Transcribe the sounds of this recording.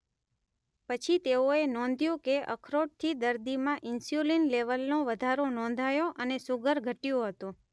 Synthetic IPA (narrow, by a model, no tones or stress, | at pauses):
pət͡ʃʰit̪eoenɔ̃nd̪ʱjũkeʔə̰kʰɾoʈ̚t̪ʰid̪əɾd̪imãʔɪnsjulinleʋəlnõʋəd̪ʱaɾonɔ̃nd̪ʱajoʔənesuɡəɾɡʱəʈjõɦət̪ũ